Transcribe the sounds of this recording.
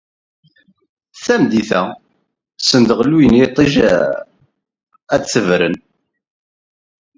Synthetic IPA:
θæmd̪iθæ | sənd̪ʁəlwinit̪ˤiʒ | æd̪t͡sːəvɾən

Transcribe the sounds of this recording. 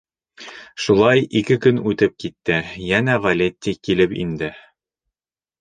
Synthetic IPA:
ʃulˠɑjikɘkɵnʉt̪ɘp̚kit̪ːɘjænævɐlʲet̪ʲːikilɘpḭnd̪ɘ

